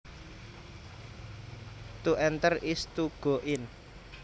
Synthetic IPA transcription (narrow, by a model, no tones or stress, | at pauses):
t̪uʔɛnt̪ərist̪uɡ̥o̤ʔɪn